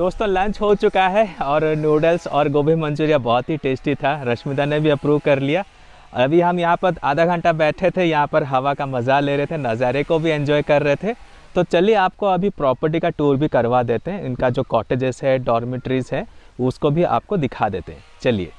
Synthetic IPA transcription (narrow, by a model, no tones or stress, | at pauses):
d̪oːst̪õːlɐ̃ɲt͡ʃɦot͡ʃʊkaɦɛɔːɾnjuːɖəlsɔːɾɡoːbʱemɐ̃nd͡ʒuːɾijabɔːɔt̪ɦiʈeːsʈit̪ʰaɾɐʃmɪd̪anebʱiɐpɾuːʋkɐɾlija | ɐbʱiɦɐmjɐɦãpɐɾaːd̪ʱaɡʱɐ̃ɳʈabɛːʈʰet̪ʰejɐɦãpɐɾɦɐʋakamɐzaleːɾɐɦet̪ʰenɐzaːɾekobʱiɛ̃ɲd͡ʒɔːjkɐɾːɐɦet̪ʰe | t̪ot͡ʃɐlieaːp̚koɐbʱipɾɔːpəɾʈ̬ikaʈuːɾbʱikɐɾʋad̪eːt̪eɦɛ̃ɪnkad͡ʒoːkɔːʈeːd͡ʒɪzɦɛɖɔːɾmɪʈɾizɦɛ̃ | ʊskobʱiʔa̰ːp̚kod̪ɪkʰad̪eːt̪eɦɛ̃t͡ʃɐlḭḛː